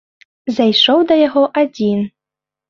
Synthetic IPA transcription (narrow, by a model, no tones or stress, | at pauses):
zajʂɔwd̪ɐjaɣɔʔad͡zʲin